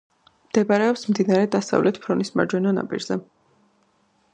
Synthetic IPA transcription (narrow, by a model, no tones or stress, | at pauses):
md̪̥ɛbaɾɛɔpsmd̪inaɾɛd̪asa̰vlʔɛt̪ʰpʰɾɔnisma̰ɾd͡ʒwɛnɔna̰pʼḭɾzɛ